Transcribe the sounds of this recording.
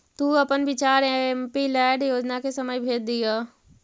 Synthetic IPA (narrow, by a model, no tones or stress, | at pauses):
t̪uːəpənʋɪt͡ʃaːɾempilɛːɖjoːd͡ʒnakesəməjbʱeːd̪̚d̪ijaː